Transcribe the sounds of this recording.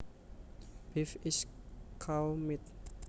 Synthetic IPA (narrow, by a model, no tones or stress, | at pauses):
b̥ifiskʰawmit̪̚